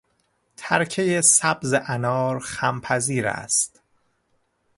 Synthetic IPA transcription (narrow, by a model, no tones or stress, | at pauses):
t̪ʰæɾcʰejesæbzeʔænɒːɾxæmpʰæziːɾæ̰st̪